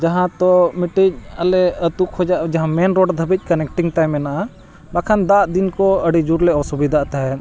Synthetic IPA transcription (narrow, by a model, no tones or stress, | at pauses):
d͡ʒaɦãt̪ɔmiʈid͡ʒ̚alɛət̪ukʰhɔd͡ʒaʔd͡ʒaɦãmɛnɾɔɖd̪ʱəbic̚ˀkɐnɛk̚ʈiŋɡʈajmɛnaʔa | bakʰand̪ad̪inkɔəɽid͡ʒuɾlɛɔsubid̪ʱaʔt̪aɦɛ